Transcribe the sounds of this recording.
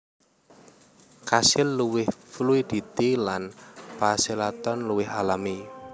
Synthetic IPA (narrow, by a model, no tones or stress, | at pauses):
kasɪlːuwɪhfluid̪̥i̤t̪ilanpaselat̪ɔnluwɪɦalami